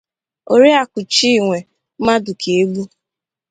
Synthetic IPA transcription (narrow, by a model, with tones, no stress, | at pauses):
o˨ɾi˦a˨kʷʊ˨t͡ʃi˦˨ŋʷe˨˦ | ma˦dʊ˨kʰe˨e˦ɡ͡bu˦